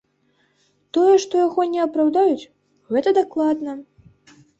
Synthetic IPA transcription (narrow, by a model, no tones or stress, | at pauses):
t̪ɔjɛʂt̪ɔjaɣɔnʲɛɐpɾawd̪ajut͡sʲ | ɣɛt̪ɐd̪aklˠad̪nɐ